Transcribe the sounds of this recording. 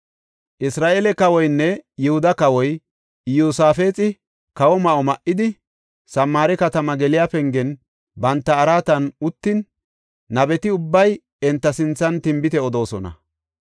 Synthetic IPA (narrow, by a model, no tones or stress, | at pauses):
ʔɪsɾaːʔelɛkɐwɔjnːɛjɪhʊd̪ɐkɐwɔj | juːsaːfe̞ːt͡sʼɪ | kɐwɔmɐʔɔmɐʔɪd̪ɪ | sɐmːaːɾɛkɐt̪ɐmɐɡɛlɪjaːpɛŋɡɛn | bɐnt̪ːɐːɾaːt̪ɐnʊt̪ːɪnː | ɐbɛt̪ɪʊbːɐj | ɛnt̪ːɐsɪnt͡sːɐnt̪ɪmbɪt̪ɛɔd̪o̞ːsɔnɐ̰